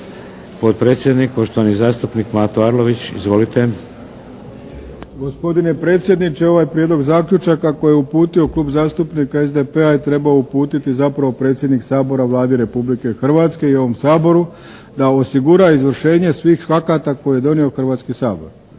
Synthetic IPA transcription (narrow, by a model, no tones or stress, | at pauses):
po̞t̪̚pɾe̞ːt̪sjed̪nikpoʃt̪oʋanizaːst̪upnikmat̪oaɾlo̞ʋit͡ɕḭzʋo̞lit̪e | ɡo̞spo̞d̪ine̞pɾe̞ːt̪sʲjed̪nit͡ʃe̞o̞ʋajpɾjed̪lo̞ɡzaːkʎʲut͡ʃakːakojeupuːt̪io̞klˠuːbzaːst̪upnikaezd̪epe̞ait̪ɾe̞baoupuːt̪it̪izapɾaʋo̞pɾe̞ːt̪sjed̪niksaːbo̞ɾaʋlˠaːd̪iɾe̞publike̞xr̩ʋaːt̪ske̞io̞ʋo̞msaːbo̞ɾu | d̪ao̞siɡuɾaizʋr̩ʃe̞ːɲe̞sʋiːxfakat̪akojijed̪o̞nio̞xr̩ʋaːt̪skisaːbo̞̰ɾ